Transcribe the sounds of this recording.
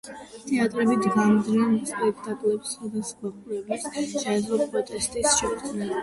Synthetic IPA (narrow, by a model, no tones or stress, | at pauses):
t̪ʰɛat̪ʼɾɛbid̪ɡamd̪nɛnspʼɛkʰt̪ʼakʼlɛpsχad̪asɡaqʼulɛbisʃɛlɔpʼɾɔt̪ʼɛst̪ʼisʃɔd̪nɛn